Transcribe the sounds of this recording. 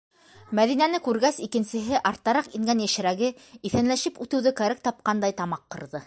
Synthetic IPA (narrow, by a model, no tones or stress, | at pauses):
mæðinænɘkʉɾɡæsikɘ̆nsɘ̆ɦɘʔɑɾt̪ːɑɾɑqiŋɡænjæʃɘ̆ɾæɡɘiθænlæʃɘpʉt̪ɘ̆wðɘkæɾɘk̚t̪ɑp̚qɑnd̪ɑjt̪ɑmɑqːɤ̆ɾðɤ